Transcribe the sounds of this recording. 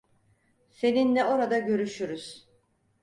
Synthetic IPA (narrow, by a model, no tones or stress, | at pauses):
se̞ninːɛo̞ɾad̪aɟø̞ɾyʃyɾyz̥